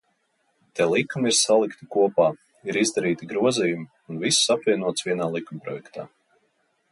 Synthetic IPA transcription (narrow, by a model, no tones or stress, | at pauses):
t̪ɛlˠikːumiɾsalˠikt̪ikuɔpaː | iɾizd̪aɾiːt̪iɡɾuɔziːjumi | unvisːapvʲiɛnuɔt̪svʲiɛnaːlˠikːumpɾɔjɛkt̪aː